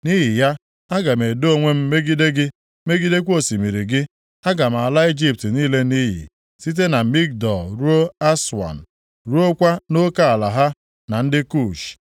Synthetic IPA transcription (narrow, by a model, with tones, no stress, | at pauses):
ni˦ɦɪ˨ja˦ | a˦ɡa˨me˨do˦o˦˨ŋʷe˦m̩˦me˦ɡi˦de˦ɡɪ˦ | me˦ɡi˦de˦kʷo˦si˨mi˨ɾi˨ɡɪ˦ | a˦ɡa˨m̩˨a˨la˦i˦d͡ʒi˦p̚tniː˦le˦ni˦ɦḭ˨ | si˦t̬e˦na˨mi˦k̚dɔ˨ɾu˦o˦a˦swa̰˨n̩˨ | ɾu˦o˦kʷa˦no˦ka˨a˨la˨ɦa˦ | na˨n̩˦dɪ˦ku˦˨ʃ